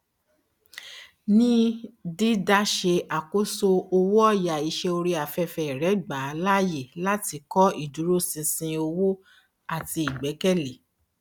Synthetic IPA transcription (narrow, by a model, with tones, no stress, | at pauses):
nĩ˦di˦da˦ʃe˧a˨ko˦so˧o˧wo˦ɔ˦˨ja˨i˨˦ʃe˧o˧ɾi˧a˨fɛ˧fɛ˧ɛ˨ɾɛ˨˦ɡ͡ba˨˦la˦je˦˨la˦ti˧kɔ˦i˦˨du˨˦ɾo˦sĩ˧sĩ˧o˧wo˦ | a˦˨ti˧i˨ɡ͡bɛ˨˦kɛ˦le˨